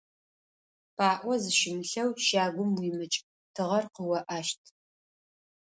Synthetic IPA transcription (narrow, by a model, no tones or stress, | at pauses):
pʰaːʔʷɔzɨʃɪmɬɐwʃaːɡʷʊmwiːmɨt͡ʃʼ | tʰɨʁɐrqəwɐʔaːʃtʰ